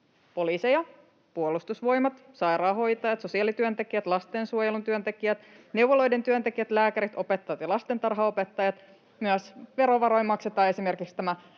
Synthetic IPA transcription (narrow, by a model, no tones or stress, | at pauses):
po̞liːsejɑ | puolust̪usʋo̞jmɑt̪ | sɑjɾɑːɦo̞jt̪ɑjɑt̪sosiɑlit̪yønt̪e̞kiæt̪lɑst̪ensuojelunt̪yønt̪e̞kiæt̪ | ne̞wʋolo̞jde̞nt̪yønt̪ekiæt̪læːkæɾit̪o̞pet̪ːɑjɑt̪jɑlɑst̪ent̪ɑrɦɑopet̪ːɑjɑt̪ | myæsʋe̞ɾo̞ʋɑɾo̞jmːɑkset̪ˑɑːe̞sime̞rkikst̪æmæ